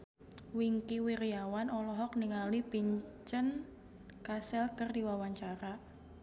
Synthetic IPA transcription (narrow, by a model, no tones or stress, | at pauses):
wiŋkiwiɾijawanɔlɔɦɔk̚niŋalipiɲt͡ʃən | kasɛlkərdiwawaɲt͡ʃaɾa